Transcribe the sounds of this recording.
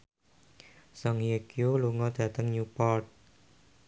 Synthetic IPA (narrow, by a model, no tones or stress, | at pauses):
saŋjekioluŋɔd̪̥ä̤t̪əŋnupɔrt̪̚